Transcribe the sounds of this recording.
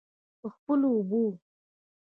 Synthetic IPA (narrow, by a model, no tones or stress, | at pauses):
pəxpəloːbu